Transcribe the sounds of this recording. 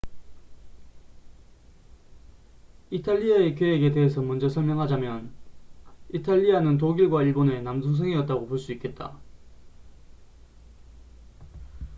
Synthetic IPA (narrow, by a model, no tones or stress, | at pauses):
itʰaʎːiae̞k̬jeeɡe̞te̞ɦesʰʌmund͡ʑesʰʌɭmjʌŋɦad͡ʑamjʌn | itʰaʎːianɯnt̬oɡiɭɡwaiɭbone̞nams̬ʰus̬ʰeŋiʌt̚t͈aɡopoɭs͈uik͈e̞t̚t͈a̰